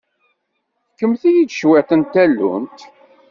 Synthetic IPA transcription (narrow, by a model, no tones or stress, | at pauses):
kːəmθijid̪ʃwæt̪ənt̪ːælːṵnt̪